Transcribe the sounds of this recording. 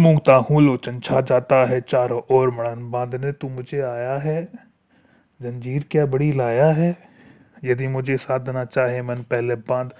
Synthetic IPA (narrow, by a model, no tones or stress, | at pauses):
mʊ̃ŋɡt̪aːɦũːloːt͡ʃənt͡ʃʰad͡ʒaːt̪aɦɛt͡ʃaːɾɔːɾmɐɽənbãːnd̪ʱnet̪omʊd͡ʒʱeaːjaɦɛː | zɐ̃nd͡ʒiːɾkjaːbɐɽilaːjaɦɛː | jɐd̪imʊd͡ʒʱesaːd̪nat͡ʃaːɦẽmɛnpɛɦlebãːnd̪